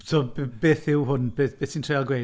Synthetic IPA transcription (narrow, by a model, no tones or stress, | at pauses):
sʰoːbbeːθɪwhʊnb̥eːb̥eːsintʰreːalˠɡwej